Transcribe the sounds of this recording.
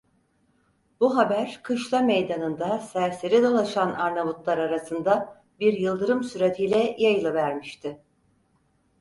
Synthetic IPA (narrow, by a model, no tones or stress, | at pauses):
buɦabæɾkʰɯʃlˠamejd̪anɯnd̪asæɾseɾid̪o̞lˠaʃanaɾnavut̪lˠaɾaɾasɯnd̪a | biɾjɯlˠd̪ɯɾɯmsyɾet̪ʰijlʲɛjajɯlˠɯvæɾmiʃt̪ʰɪ